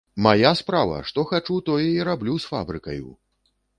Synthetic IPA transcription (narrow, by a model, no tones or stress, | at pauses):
majaspɾavɐ̰ʂt̪ɔxat͡ʂut̪ɔjɛiɾablʲusfa̰bɾɨkɐ̰jṵ